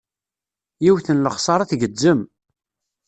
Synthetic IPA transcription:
jiwθənləχsˤɑɾˤɑθɡəd͡zːəm

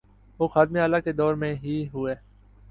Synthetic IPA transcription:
ʋoːxaːd̪meaːlaked̪ɔːɾmẽɦiːɦʊeː

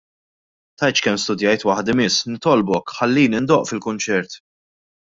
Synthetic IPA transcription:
t̪ɐjt͡ʃkɛmːst̪ʊd̪jɐjt̪wɐħd̪ɪmɪsːnɪt̪ɔlbɔkħɐlːiːnɪnd̪ɔʔfɪlkʊnt͡ʃɛɾt̪

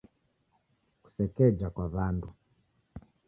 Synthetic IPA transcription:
ku̥sɛkɛd͡ʒakwaβandu

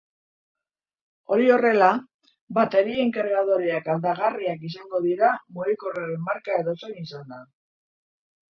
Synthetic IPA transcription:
o̞ɾio̞re̞la | bat̪e̞ɾieŋkaɾɣaðoɾiakald̪aɣ̞ariakis̬aŋɡo̞ðiɾamuɾikoraemːaɾkae̞ðo̞sonisand̪a

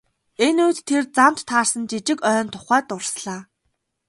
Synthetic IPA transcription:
enuːt̪ʰːert͡sam̥t̪ːʰaːrsə̆nt͡ɕit͡ɕɪ̆kœːnt̪ʰʊ̥χæːt̪ʊrsɮaː

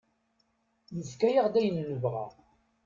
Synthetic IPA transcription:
nəfkæjaʁd̪æjənːəvʁæ̰

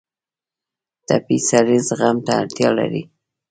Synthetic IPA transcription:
t̪apisaɾizɣamt̪aaɾt̪jɑla̰ɾḭ

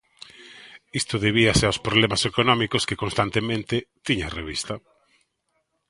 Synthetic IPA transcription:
ist̪ʊðeβiaseaospɾoβlɛmasekonɔmikoskekonst̪ant̪emẽnt̪ɪt̪iɲareβḭst̪ɐ

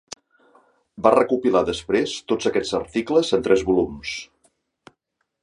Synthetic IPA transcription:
barəkupilaðəspɾest̪od͡zəkɛ̥d͡zəɾt̪ikləzənt̪ɾʔɛzβulums

